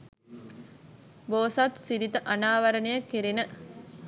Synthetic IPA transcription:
boːsat̪siɾit̪əʔanaːʋɐɾənejəkːeɾenə

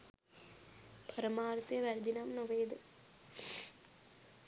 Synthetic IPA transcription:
pʰɐɾɐmaːɾt̪ːjɐʋɐɾd̪inaːmnɐʋeːd̪ɨ

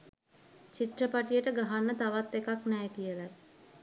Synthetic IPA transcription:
t͡ʃit̪rəpaʈijəʈəɡaɦanːət̪aʋat̪ːekaknɛjkijələ

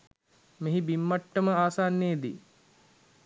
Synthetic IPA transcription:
meɦibimːaʈːəməaːsaːnːeːd̪ḭ

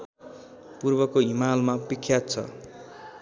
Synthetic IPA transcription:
purbʌkoɦimalmapikʰjat̪̚t͡sʰʌ̰

